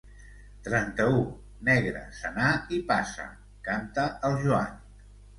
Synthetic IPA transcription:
t̪ɾɛnt̪əu | nɛɣɾə̰sənaipasə̰ | kant̪əəlˠʒua̰n

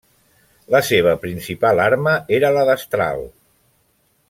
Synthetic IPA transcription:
ləseβ̞əpɾinsipalˠaɾməeɾələðəst̪ɾa̰lˠ

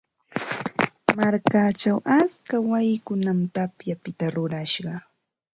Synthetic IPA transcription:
maɾkat͡ʃawʔaskawajɪkʊnamt̪apjapɪt̪aɾʊɾaʃɢɑ

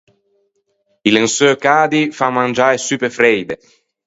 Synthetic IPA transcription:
ilensøːkaːd̪ifamːand͡ʒaːɾesyːpefɾɛjd̪e

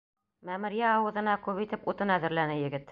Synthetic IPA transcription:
mæmɘ̆ɾjæɑwɤ̆ðɤ̆nɑkʉβit̪ɘput̪ɤnæðɘ̆ɾlænɘjɘ̆ɡɘt̪

